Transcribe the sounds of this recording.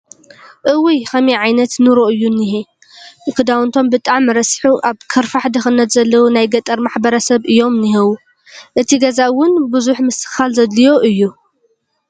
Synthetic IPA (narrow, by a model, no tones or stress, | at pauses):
ʔɨwijxɐmiʕajnɐt̪nɨɾoʔɨjːuniɦe | kɨd̪awɨnt̪ʰo̞mbɨt̪ʼaʕmːɨɾɐsħuʔaβkʰɐɾfaħd̪ɐxɨnːɐt̪zɐlːɐwunajɡɐt̪ʼɐɾmaħbɐɾɐsɐβɨjːo̞mniɦewu | ʔɨt̪ʰiɡɐzawʊnbɨzuħmɨsɨ̥xalzɐd̪lijo̞ʔɨjːu